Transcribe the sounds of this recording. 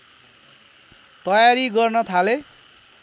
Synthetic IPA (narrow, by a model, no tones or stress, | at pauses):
t̪ʌjaɾiɡʌrnʌt̪ʰale